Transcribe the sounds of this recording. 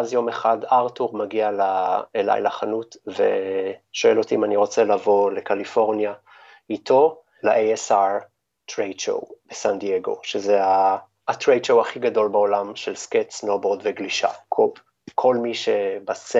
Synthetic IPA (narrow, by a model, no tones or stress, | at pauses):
azjo̞meχadaʁtuʁmaɡialaela̰jlaχanutvḛʃo̞elo̞tiimaniʁo̞t͡selavo̞le̞kalifo̞ʁnja | ito̞ | laʔeesaʁ | tʁejʃo̰wb̥esandieɡo̞̰ʃezeaː | tʁejʃowaχiɡado̞lbao̞lamʃelsketsnoboʁd̪veɡliʃa̰kʰo | kʰo̞lmiʃebase